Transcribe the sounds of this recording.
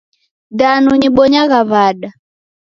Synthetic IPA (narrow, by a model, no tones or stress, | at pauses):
danuɲiɓɔɲaɣaβaɗa